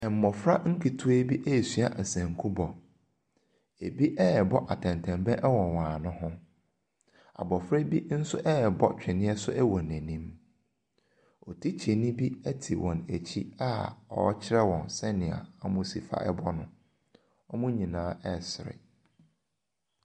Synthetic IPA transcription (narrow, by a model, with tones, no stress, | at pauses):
ɛ˨m̩˨mɔ˨fɾa˦ŋ̩˦kʰi˨tʰu˦e˦bi˦ʔæ˦˨sɥa˦ʔæ˨sæ̃˨ŋ̩˨kʰũ˦bɔ˨ | e˨bi˦ʔɛ˦ɛ˨bɔ˦ʔa˨tʰɛ̃˨n˨tʰɛ̃˨mbɛ̃˦ʔɛ˦wɔ̃˨wãː˨nʊ̃˦hʊ̃˦ | a̰˨bɔ˨fɾɛ˦bi˦n̩˦sʊ̰˦ʔɛ˦ɛ˨bɔ˦t͡ɕᶣɛ˨nɪ̃˦ɛ˦sʊ̰˦ʔɛ˦wɔ̃˨næ̃˨nĩ˦m | ɔ˨tʰi˦t͡ɕʰe˨nĩ˦bi˦ɛ˦tʰi˨wʔɔ̃˨næ˨t͡ɕʰi˦a˦ɔ̰˨˦t͡ɕʰɪ˦ɾɛ˦wɔ̃˨nsɛ˦nɪ̃˨a̰˨a˨mʊ̃˦si˨fa̰˦ʔɛ̰˦bɔ˦nʊ̃˨ | ɔ˦mʊ̃˦ɲĩ˨nãː˦ɛ˦˨sɪ˨ɾɪ̰˨